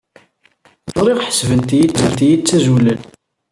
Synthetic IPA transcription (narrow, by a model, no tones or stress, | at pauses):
tˤɾˤiʁħə̥svənt̪ijit͡sːənt̪ijit͡sːæzulən